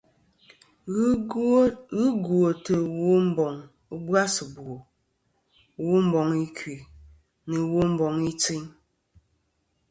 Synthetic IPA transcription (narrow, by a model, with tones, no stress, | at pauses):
ɣɨ˦ɡwo˨tə˨wo˦m˦bɔ˨ŋ˦ | bwa˦sə˨bo˨ | wo˦m̩˦bɔ˨ŋi˦kɥi˨ | nə˨wo˦m̩˦bɔ˨ŋi˦t͡si˦ɲ